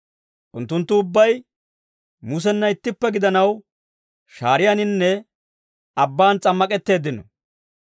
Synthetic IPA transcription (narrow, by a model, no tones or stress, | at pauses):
ʔʊnt̪ːʊnt̪ːʊːbːɐj | mʊs̬ɛnːɐɪt̪ːɪpːɛɡɪd̪ɐnɐw | ʃaːɾɪjanɪnːɛ | ɐbːaːnt͡sʼɐmːɐkʼɛt̪ːe̞ːd̪ːɪnɔ̰